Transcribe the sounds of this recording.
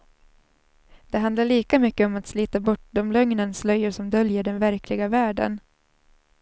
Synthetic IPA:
d̪̥ɛɦand̪laɭiːkamʏkːəɔmat̪sliːt̪abɔʈ̚ːd̪ɔmlœŋnənslœjːʊʂɔmd̪œljəɖɛnvæɾkʰlɪɡavæːɖə̰n

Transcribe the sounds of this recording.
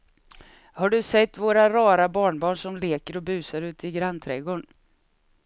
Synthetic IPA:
haɖɵsɛt̪ːvoːɾaɾɑːɾabɑːɳbɑːɳʂɔmleːkəɾɔbʉ̟ːsaɾʉ̟ːt̪ɪɡɾant̪ʰɾɛɡoːɳ

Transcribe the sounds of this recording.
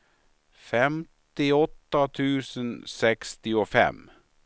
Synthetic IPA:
fɛmt̪ɪɔt̪ət̪ʰʉːsənsɛkst̪ɪofɛ̰m

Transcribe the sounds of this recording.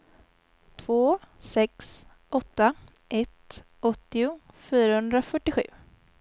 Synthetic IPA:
t̪ʰv̥oːsɛks | ʔɔt̪ːa | ʔɛt̪ | ɔt̪ːɪʊfyːɾahɵnd̪ɾafœʈːɪɧʉ̟̰ː

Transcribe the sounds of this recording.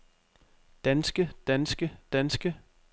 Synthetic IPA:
d̥ænsɡ̥əd̥ænsɡ̥əd̥ænsɡ̥ə

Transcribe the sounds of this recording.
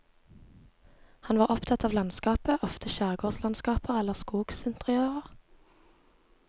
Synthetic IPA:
hɑnʋɑːʁɔpt̪ʰɑt̪ɑːʋlɑnskɑːpəʔɔft̪ʰəʃæːʁɡoːslɑnskɑːpəʁɛləʁskuːɡsɪnt̪əʁɪøːʁəʁ

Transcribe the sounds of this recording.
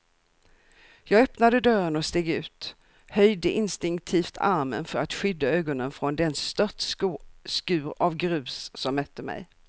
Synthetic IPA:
jɑːɡœpnad̪əd̪œɾənɔst̪eːɡʉ̟ːt̪ | hœjd̪əʔɪnst̪ɪŋk̚t̪ʰiːft̪ʰaɾmə̰nfœɾat̪ɧʏd̪ːaøːɡɔnənfɾɔnd̪ɛnst̪œt̪skʉ̟ːɾavɡɾʉ̟ːsːɔmːœt̪ʰːəmɛ̰j

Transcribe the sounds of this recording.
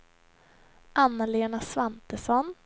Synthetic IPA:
ʔanːaleːnasvant̪əsɔn

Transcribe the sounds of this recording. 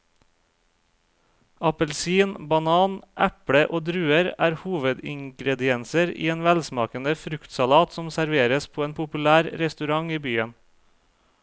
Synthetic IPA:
ɑpəlsiːnbɑnɑːnʔæpɽəʔoːd̪ɾʉːəɾæːɾhuːʋəd̪ɪ̰ŋɡɾɛd̪ɪɛnsəɾḭːeːnʋælsmɑːkənəfɾʉkt̪sɑlɑːt̪sɔmsæɾʋeːɾəspʰoːeːnpʰʊpʉlæːɾɾɛst̪ʉɾɑŋiːbyːən

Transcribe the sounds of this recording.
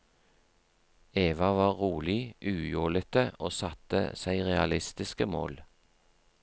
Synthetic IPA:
eːʋɑʋɑːʁʁuːlɪʔʉːjoːlət̪əʔoːsɑt̪ə̰sæɪʁɛɑlɪst̪ɪskəmo̰ːl

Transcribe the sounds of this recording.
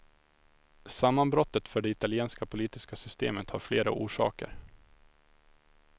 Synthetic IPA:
samːanbɾɔt̪ːət̪fœɖɛɪt̪alɪeːnskapʰʊliːt̪ɪskasʏst̪ḛːmət̪ha̰ɾfleːɾa̰ʔuːʂɑ̰ːkə̰ɾ

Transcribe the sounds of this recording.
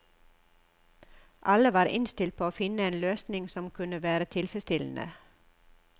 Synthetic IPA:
ʔɑləʋɑːɾʔɪ̰nst̪ɪlt̪̚pʰoːoːfɪnəeːnløːsnɪŋsɔmkʰʉnəʋæːɾət̪ʰɪlfɾɛst̪ɪln̩ʔə̰

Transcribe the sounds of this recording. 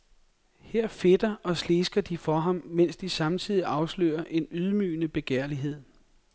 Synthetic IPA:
heɐ̰fe̝d̥ɐʔɒ̽sle̝ːsɡ̥ɐd̥ifɒ̽ɦɑ̈mmen̰sd̥isɑ̈mt͡sʰið̞̰ˠiʔɑ̈ʊslø̰ːɐʔe̝nyð̞ˠmy̰ːnəb̥e̝ɡ̥eɐ̰liɦe̝ð̞̰ˠ

